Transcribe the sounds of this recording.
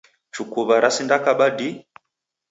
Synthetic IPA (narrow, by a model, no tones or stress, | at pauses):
t͡ʃukuβaɾasindakaɓadi